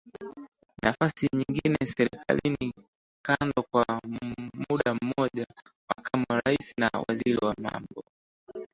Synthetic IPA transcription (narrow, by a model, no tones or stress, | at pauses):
nafasiɲiŋɡinɛsɛɾɛka̰lini | kandɔkwa | muɗam̩mɔʄamakamuɾaisinawa̰ziɾiwama̰mbɔ